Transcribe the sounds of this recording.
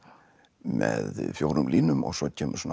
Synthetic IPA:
mɛðfjowɾʏmlʔiːnʏmɔ̰ɣsɔcʰɛːmʔʏ̥sɔna

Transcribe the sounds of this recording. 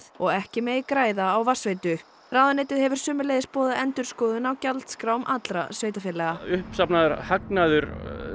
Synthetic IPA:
ɔɣɛhcɪmeːjkɾaːjðaːwvar̥sveːjt̪ʏ | raːwðanejt̪ɪðhɛvʏɾ̥sʏːmʏleːjðɪspɔːðaʔɛnt̪ʏɾ̥skɔːðʏnawcalt̪skɾaːwmʔa̰t̪lɾa̰sveːjt̪afɪːlɛɣaʏhpsapnaðʏɾhaknaðʏɾ

